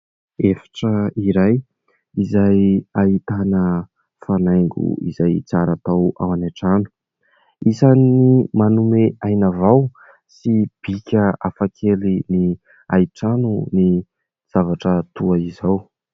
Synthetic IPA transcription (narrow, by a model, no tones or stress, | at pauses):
efḁʈ͡ʂəiɾaj | izajait̪anə | fanajŋɡṵḭzajt͡saɾat̪awa̰wanaʈ͡ʂanu̥ | isanimanumeajnavaw | sib̥ikʲəafakʰelini | aiʈ͡ʂanuni | z̥avaʈ͡ʂət̪uaizaw